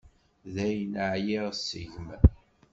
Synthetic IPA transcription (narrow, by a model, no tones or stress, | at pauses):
ðæjnəʕjiʁsːiʝm